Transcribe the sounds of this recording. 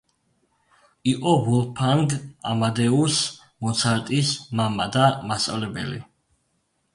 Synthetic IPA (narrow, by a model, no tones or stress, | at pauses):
iqʼɔvɔlˠpʰaŋɡa̰mad̪ɛus | mɔt̪sʰaɾt̪ʼismamad̪amast̪ʼa̰vlɛbɛ̰lḭ